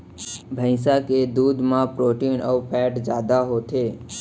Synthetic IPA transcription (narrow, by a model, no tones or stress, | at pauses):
bʱə̃ɪ̃saked̪ud̪mãpɾoʈinəʋpʰɛʈd͡ʒad̪aɦot̪ʰe